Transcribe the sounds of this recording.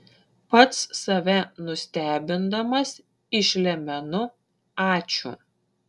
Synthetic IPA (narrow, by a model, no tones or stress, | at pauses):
pɐt̪sːɐʋʲɛnʊsʲt̪ʲæːbʲɪnd̪ɐmɐs | ɪʃʲlʲɛmʲɛnʊ | ɑːt͡ʃʲʊ̰